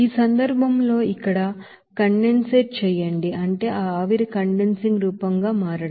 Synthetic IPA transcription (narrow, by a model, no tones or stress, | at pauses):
iːsɐnd̪ɐɾbʱɐmlo̞ːikːɐɽɐ | kɐɳɖenseːʈ̚t͡ʃɛːjɐɳɖiʔɐɳʈe̞ːʔaːaːʋiɾikɐɳɖensiŋɡɾuːpɐŋɡaːmaːɾɐɽɐ